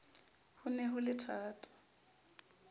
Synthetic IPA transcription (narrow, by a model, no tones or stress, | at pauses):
hʊnɛɦʊlɪtʰaːtʼḁ